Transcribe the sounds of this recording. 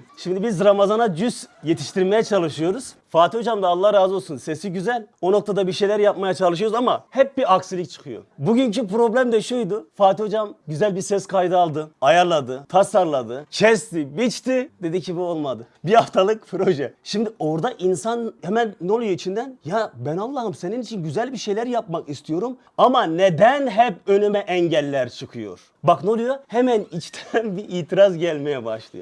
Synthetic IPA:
ʃimd̪ibizɾamazanad͡ʒyzjet̪ʰi̥ʃt̪ʰiɾmejɛt͡ʃʰalˠɯʃɯjo̞ɾuz̥faːt̪io̞d͡ʒamd̪aːlˠːahɾaːzo̞lˠsunse̞siɟyzælʲo̞no̞k̚t̪ʰad̪abiɾʃejlʲæɾjap̚majat͡ʃʰalˠɯʃ̬ɯjoɾuzamahɛp̚biɾaksilʲict͡ʃʰɯ̥kʰɯjo̞̰buɟyncipɾo̞blʲæmd̪ɛʃujd̪ufaːt̪ʰio̞d͡ʒamɟyzælʲbiɾsɛskʰajd̪ɯalˠd̪ɯajaɾlˠad̪ɯt̪ʰasaɾlˠad̪ɯt͡ʃʰɛst̪ibit͡ʃt̪id̪e̞d̪icʰibio̞lˠmad̪ɯ | bihaft̪ʰalˠɯkpʰɾo̞ʒɛʃimd̪io̞ɾd̪aʔinsanhɛmænːolˠujait͡ʃʰind̪ænjabænalˠːaɦɯmse̞ninit͡ʃʰinɟyzælʲbiʃe̞jlʲæɾjap̚makist̪ʰijo̞ɾum | amaned̪ænɦɛpø̞nymɛʔɛɲɟɛlʲːæɾt͡ʃʰɯkʰɯjo̞̰ɾ̥ | baknolˠujohemænit͡ʃt̪ʰɛnbiʔiːt̪ʰiɾazɟælʲmejɛbaʃlˠɯ̰jo

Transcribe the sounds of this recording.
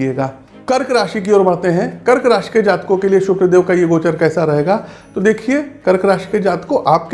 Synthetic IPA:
eːɡaː | kɐɾkɾaːʃik̬iɔːɾbɐːt̪eɦɛ̃kɐɾkɾaːʃi̥ked͡ʒaːt̪kõkelieʃʊkɾəd̪eːʋkajeɡoːt͡ʃəɾkɛːsaɾɐɦeːɡaː | t̪od̪eːkʰiekɐɾkɾaːʃi̥ked͡ʒaːt̪koʔaːpk

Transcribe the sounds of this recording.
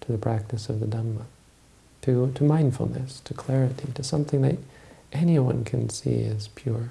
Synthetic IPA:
tʰɨðɨpʰɹ̥æk̚tɨsʌvðɨdʌ̃mmə | tʰɨɾɨmãɪ̃nd̥fl̩ˠnɨ̰stʰɨkʰl̥ɛɹɨɾiɾɨsʌ̃mθɪ̃ŋðɨ̰ɾʔɛniwʌ̰̃nkʰɨ̃nsḭɪ̰z̥pʰj̥ʊɹ

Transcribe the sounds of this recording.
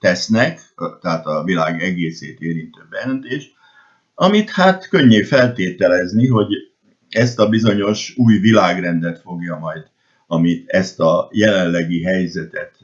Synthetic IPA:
t̪ɛsnɛk | t̪ɛɦaːt̪ɒvilaːɡɛɡeːsḛːt̪eːɾint̪øːbːɛjɛɛnt̪eːʃ | ɒmit̪hat̪køɲːeːfɛlt̪eːt̪ɛlɛzniɦo̞ɟ | ɛst̪ɒbizo̞ɲo̞ʃuːjvilaːɡrɛnd̪ɛt̪fo̞ɡjɒmɒjd̪ | ɒmit̪ɛst̪ɒjɛlɛnːɛɡiɦɛjzɛt̪ɛt̪

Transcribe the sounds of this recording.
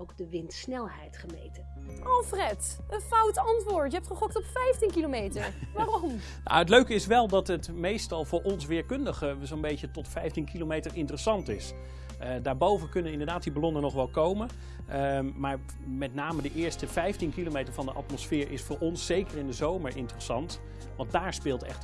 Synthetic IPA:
owk̚dəʋɪntsnɛlˠɦɛjtχəmḛjtə | ʔɑlˠfrɛt | ənfawtɑntʋʊːɹtjəɛp̚tχəχɔktɔpfɛjftinkilomejtəɹɹʋaːrɔm | na̰ətløɥkəɪsʋɛlˠdɑtɦətmejstɑlˠvʊːɹʔɔnsʋɪːɹkɵndəχəzownbejcətɔtfɛjftinkilomejtəɹɪntərəsɑntɪs | ədaːɹbowvənkɵnənɪndəɹdaːt̚dibɑlɔnənɔχʋɛlˠkowmən | maːɹ | mɛtnaːmədəʔɪːɹstəvɛjftinkilomejtəɹvɑndəʔɑ̰tmɔsfɪːɹʔɪsfʊːɹʔɔnsːejkəɹɪndəzowməɹʔɪ̰ntərəsɑnt | ʋɑnt̚daːɹspɪːlˠtɛ̰χt

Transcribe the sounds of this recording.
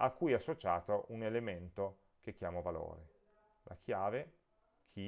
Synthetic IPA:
akːujɛasːot͡ʃa̰ːt̪oʔunelement̪o | k̟ekːjaːmovalo̰ːɾe | lʔa̰kʰjaːve | kʰi

